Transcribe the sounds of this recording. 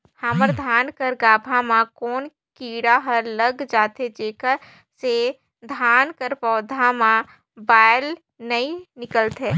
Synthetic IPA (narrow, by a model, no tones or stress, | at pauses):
haməɾd̪ʱaːnkəɾɡaːbʱamãkɔːn | kiːɽaɦəɾləɡd͡ʒaːt̪ed͡ʒeːkəɾ | se | d̪ʱaːnkəɾpɔːd̪ʱamã | baːjl | nəĩnɪkəlt̪ɛː